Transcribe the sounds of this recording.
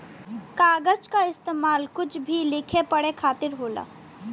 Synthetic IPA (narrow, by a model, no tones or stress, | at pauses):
kaːɡəd͡ʒkaɪst̪eːmaːlkʊt͡ʃʰbʱilɪkʰepɐɽekʰaːt̪ɪɾɦoːla̰ː